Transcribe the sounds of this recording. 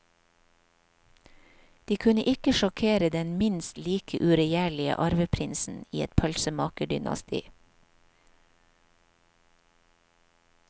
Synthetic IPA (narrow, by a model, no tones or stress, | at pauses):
d̪̥iːkʰʉnəʔɪkəʃɔkʰeːɾəd̪ɛnmɪnst̪liːkʰəʔʉɾɛjæːɭɪə̰ʔɑɾʋəpʰɾɪnsn̩iːɛt̪̚pʰœlsəmɑːkəɖʏnɑ̰st̪ʰḭː